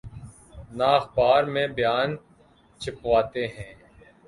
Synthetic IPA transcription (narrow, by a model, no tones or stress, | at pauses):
naːxbaːɾmẽbjaːn | t͡ʃʰɪpʋaːt̪eɦɛ̃ː